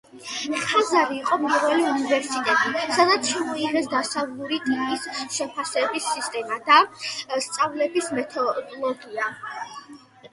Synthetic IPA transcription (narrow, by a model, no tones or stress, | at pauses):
χazaɾiːqʼɔmiɾvɛliunivɛɾsit̪ʼɛt̪ʼisad̪at̪sʰʃamɔiʁɛsd̪asavlˠuɾit̪ʼipʼisʃɛpʰasɛbisːist̪ʼɛmad̪ast̪sʼavlɛbismɛt̪ʰɔlɔɡia